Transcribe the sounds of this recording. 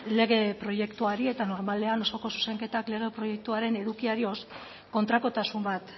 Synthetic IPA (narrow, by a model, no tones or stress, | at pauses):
le̞ɣ̞e̞pɾo̞je̞kt̪uaɾie̞t̪ano̞ɾmale̞ano̞so̞ko̞su̥se̞ŋke̞t̪akle̞ɣ̞e̞pɾo̞je̞k̚t̪uaɾe̞ne̞ðukiaɾio̞s | ko̞nt̪ɾako̞t̪asumbat̪